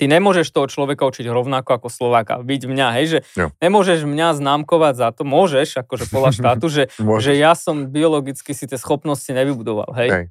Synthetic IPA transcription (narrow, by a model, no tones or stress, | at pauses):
t̪iɲɛmʊɔʒɛʃt̪ɔɦɔt͡ʃlɔʋɛkaut͡ʃiɟɾɔʊnakɔakɔslɔʋaːka̰biɟmɲaɦɛjʒɛɲɛmʊɔʒɛʒmɲaznaːmkɔʋaɟzat̪ɔmʊɔʒɛʃakɔʒɛpɔd̪laʃt̪aːt̪uʒɛʒɛjasɔmbiɔlɔɡit͡skisit̪jɛsxɔpnɔsciɲɛʋibud̪ɔʋa̰lɦɛj